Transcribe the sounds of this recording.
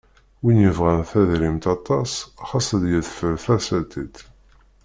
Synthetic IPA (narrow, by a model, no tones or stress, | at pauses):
winjəvʁænθæðɾimt̪ɑt̪ˤɑsχɑsˤəðjəðfəɾθæsæt̪it̪